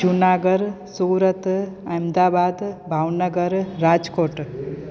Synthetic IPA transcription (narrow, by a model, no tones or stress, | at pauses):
d͡ʒunaːɡəɾ | suːɾət̪ajmd̪aːbaːd̪bʱawnəɡəɾɾaːd͡ʒkoːʈ